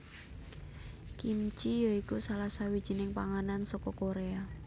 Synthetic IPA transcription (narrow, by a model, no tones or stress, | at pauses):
kimt͡ʃijoikusalasawid̥ʒ̥i̤nɪŋpaŋanansɔkɔkoɾea